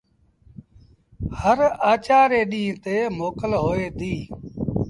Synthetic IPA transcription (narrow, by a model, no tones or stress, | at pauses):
həɾaːt͡ʃaːɾeːɗĩːt̪eːmoːkəlɦoːeːd̪iː